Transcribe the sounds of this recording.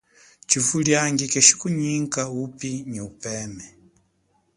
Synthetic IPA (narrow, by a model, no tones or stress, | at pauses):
t͡ʃivuljaŋɡikɛʃi̥kuɲiŋkaupiɲiupɛːmɛ